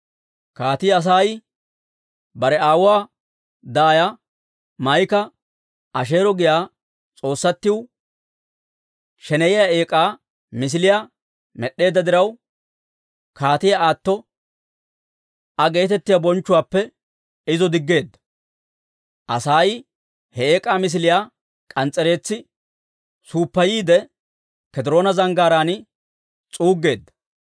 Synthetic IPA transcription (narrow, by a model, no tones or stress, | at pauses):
kaːt̪ɪjɐs̬aːj | bɐɾɛaːwʊwaː | d̪aːjɐ | mɐjkɐ | ɐʃ̬e̞ːɾɔɡɪjaː | t͡sʼo̞ːsːɐt̪ːɪw | ʃɛnɛjɪjae̞ːkʼaː | mɪs̬ɪlɪja | mɛɗːe̞ːd̪ːɐd̪ɪɾɐw | kʰaːt̪ɪjaaːt̪ːɔ | ɐɡe̞ːt̪ɛt̪ːɪjabɔnt͡ʃːʊwaːpːɛ | ɪzɔd̪ɪɡːe̞ːd̪ːɐ̥ | ʔɐsaːj | hɛeːkʼaːmɪs̬ɪlɪjaː | kʼɐnt͡sʼːɛɾe̞ːt͡sːɪ | suːpːɐjiːd̪ɛ | kɛd̪ɛɾo̞ːnɐzɐŋɡaːɾaːnɪ | t͡sʼuːɡːe̞ːd̪ːɐ̥